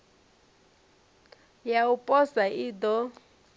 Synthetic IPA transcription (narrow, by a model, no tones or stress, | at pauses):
jaupʼɔsaʔiːd̪ɔ